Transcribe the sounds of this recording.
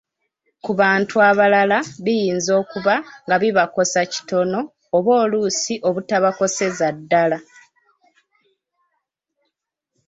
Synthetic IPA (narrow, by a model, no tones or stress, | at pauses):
kuβaːntuaβalalaβijiːnzo̞ːkuβaŋɡaβiβako̞saci̥to̞no̞ː | βo̞ːluːsiʔo̞βutaβako̞se̞zadːala